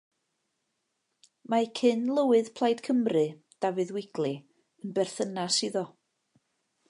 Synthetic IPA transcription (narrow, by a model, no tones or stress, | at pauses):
makʰɪnlˠəwɨð̥pʰlˠajd̥kʰəmrɨ | d̥avɨðwɪɡ̥lˠɨ | ənbɛrθənasiðɔ